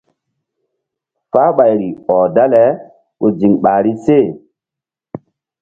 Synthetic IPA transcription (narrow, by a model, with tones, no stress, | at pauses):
faː˦ɓa˨jɾi˨ɔː˨da˦lɛ˨˦ | ko˨d͡ʒi˨ŋɓa˨ɾi˦se˦˨